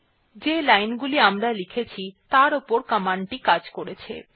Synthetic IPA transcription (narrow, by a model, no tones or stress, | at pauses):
d͡ʑelajnɡuliamɾalikʰet͡ɕʰit̪aɾopoɾkamaɳʈikad͡ʑkoɾet͡ɕʰḛ